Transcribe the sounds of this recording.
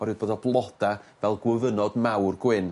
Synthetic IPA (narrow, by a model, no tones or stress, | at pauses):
ɔɾɨd̚boːdɔblˠɔd̥avɛlˠɡwɪvənɔdmawrɡwɪn